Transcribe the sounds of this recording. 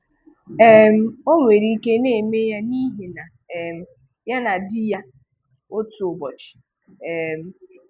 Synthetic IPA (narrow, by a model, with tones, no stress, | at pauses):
ɛ˦m̩˦o˦ŋʷe˨ɾi˦ke˦ne˦˨me˦ja˦ni˦ɦe˨na˨ | ɛ˨m̩˨ | ja˦na˨dɪ˦ja˦ | o˦tu˨o˨bɔ˨t͡ʃɪ̥˨ | e˨m̩˨